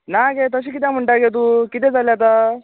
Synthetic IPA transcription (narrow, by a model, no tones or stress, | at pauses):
naɡet̪əɕiːkit̪jãm̤əɳʈaɡet̪̬ukit̪̬ed͡zaljat̪a